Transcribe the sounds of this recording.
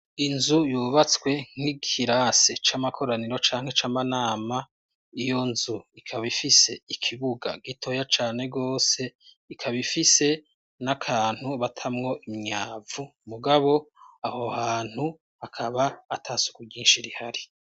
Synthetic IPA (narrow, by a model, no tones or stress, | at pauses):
inzujuːβat͡skwe̞ŋ̥iɡhiɾaset͡ʃamakʰo̞ɾaniɾo̞t͡ʃaːŋ̥he̞t͡ʃamanaːma | ijo̞nzuikʰaβifise̞ikʰiβuɡa̰ɡitʰo̞jat͡ʃaːne̞ɡo̞ːse̞ | ikʰaβifise̞ | nakʰaːn̥uβatʰamŋo̞imɲaːvumuɡaβo̞aho̞haːn̥hu | hakʰaβaːtʰasu̥kuɡɟiːnʃiɾihaɾi